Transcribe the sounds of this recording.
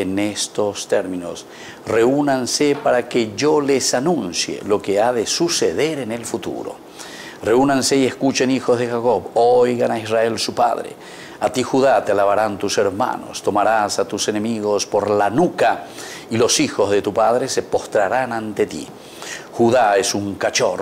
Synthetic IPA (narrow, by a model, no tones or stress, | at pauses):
nest̪o̞st̪eɾmĩno̞s | re̞unanse̞paɾakeʒole̞sanũnsjḛlo̞keaðe̞suse̞ð̞e̞ɾe̞ne̞lfut̪ṵɾo̰ | re̞unanse̞ieskut͡ʃe̞nixo̞zðexako̞βojɣanaizrae̞lsupa̰ðɾḛ | at̪ixuðat̪ealaβaɾant̪use̞ɾma̰no̞̰st̪o̞maɾasat̪use̞ne̞miɣo̞spo̞ɾlanuka | ilo̞sixo̞zðe̞t̪upað̞ɾe̞se̞po̞st̪ɾaɾanant̪et̪ḭ | xuðaesuŋkat͡ʃor